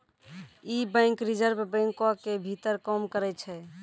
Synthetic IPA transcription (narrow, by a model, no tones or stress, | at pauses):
ibə̃ɪŋkɾid͡ʒəɾbbə̃ŋkakebʱit̪əɾkɔmkəɾɛt͡ʃʰɛ